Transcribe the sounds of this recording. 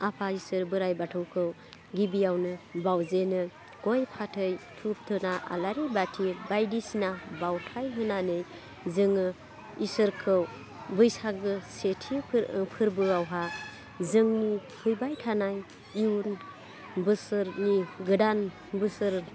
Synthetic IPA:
apʰaisɯɾbɯɾajbatʰɯwkʰɯw | ɡibiawnɯbawzenɯ | ɡ̥ɔjpʰatʰɯjtʰup̚tʰɯnaa̰laɾibatʰibajdisinabawtʰajɦɯnanɯj | zɯŋɯ | isɯɾkʰɯw | bɯjsaɡɯsetʰipʰɯɾbɯawɦa | zɯŋnihʰɯjbajtʰanaj | iun | bɯsɯɾniɡɯdan | bɯsɯɾ

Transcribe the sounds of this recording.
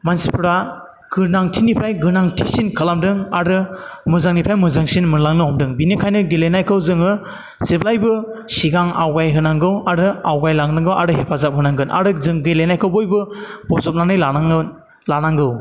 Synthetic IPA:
mansipʰɯɾa | ɡ̥ɯɾnaŋtʰinipʰɾajɡɯɾnaŋtʰisinkʰɯlamdɯŋaɾɯmɯzaŋnipʰɾajmɯzaŋsinmɯɾlaŋnɯɔmdɯŋbinikʰajnɯɡelenajkʰɯwzɯŋɯ | z̥eblajbɯsiɡaŋawɡajɦɯnaŋɡɯwaɾɯawɡajlaŋnɯŋɡɯwʔaɾɯhepʰazap̚ɦɯnaŋɡɯnʔa̰ɾɯzɯŋɡelenajkʰɯwbɔjbɯb̥ɔzɔp̚nanɯjla | lanaŋɡɯw

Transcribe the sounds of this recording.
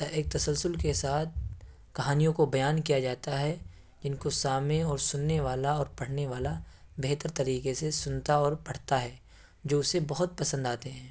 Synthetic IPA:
t̪ɐʔeːk̚t̪ɐsəlsʊlkesaːt̪̚ʰ | kɐɦaːnijõkobɐjaːnkijad͡ʒaːt̪aɦɛ | d͡ʒɪnkosaːmẽɔːɾsʊnːeʋaːlaɔːɾpɐɽ̤neʋaːlabeɦt̪əɾt̪ɐɾiːqesesʊnt̪aɔːɾpɐɽ̤t̪aɦɛː | d͡ʒoːʊsebɐɦʊt̪̚pɐsə̃nd̪aːt̪eɦɛ̃ː

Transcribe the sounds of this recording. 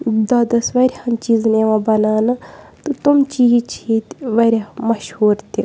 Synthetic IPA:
d̪ɐd̪ɐsʋɐɾʲhɐnt͡ʃiːzneʋãbɐnaːnɨ | t̪ɨt̪umt͡ʃiːɦt͡ʃʰit̪ʋɐɾʲemɐʃhuːɾt̪i

